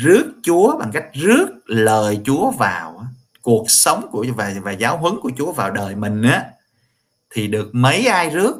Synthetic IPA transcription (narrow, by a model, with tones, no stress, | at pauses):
zɨ˦˥ək̚t͡ɕu˨˦əɓa˨˩ŋka˦˥jk̟̚zɨ˦˥ək̚ləː˨˩jt͡ɕu˨˦əvaː˨˩w | ku˨˩ək̚sə˨˦wŋ͡mku˧˩əvaː˨˩vaː˨˩zaː˨˦wɦwɨ˨˦ŋku˧˩ət͡ɕu˨˦əvaː˨˩wɗəː˨˩jmï˨˩ŋ̟ʔaː˨˦ | t̪ʰi˨˩ɗɨ˨˩ək̚mə˨˦jʔaː˧jzɨ˦˥ək̚